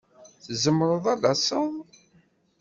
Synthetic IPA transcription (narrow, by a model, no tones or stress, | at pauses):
θzəmːɾˤəðˤɑdɑsˤəðˤ